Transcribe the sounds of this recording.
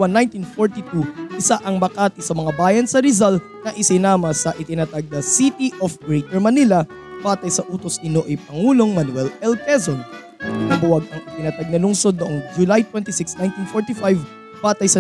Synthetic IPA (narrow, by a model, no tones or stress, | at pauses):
wanːajnt̪infoɹt̪it̪uʔɪsaʔɐŋmɐkaːt̪ɪsɐmɐŋabaːjɐnsɐɾɪzalt̪ | nɐʔɪsɪnaːmɐsɐʔɪt̪ɪnɐt̪aɡ̚nɐsit̪iʔofɡɹejt̪ɛɹmɐnilɐ | b̥aːt̪ɐjsɐʔuːt̪osɪnoʔɐjpɐŋuːlo̞ŋmɐnwɛlɛlkɛzon | ɐnɐbʊwɐɡ̚ɐŋɪt̪ɪnɐt̪aɡ̚nɐlʊŋsod̪̚noʔoŋd͡ʒʊlajt̪wɛnt̪isɪksnajnt̪infoɹt̪ifajv | baːt̪ɐjsɐ